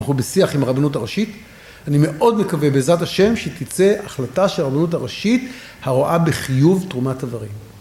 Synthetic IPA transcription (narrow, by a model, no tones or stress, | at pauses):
χubesiaχimaʁabanutaʁaʃit | anime̞ʔo̞dme̞kavebezataʃe̞mʃet̪it͡se̞aχlataʃelaʁabanut̬aʁaʃit | haʁoʔabeχijuvtʁumatavaʁim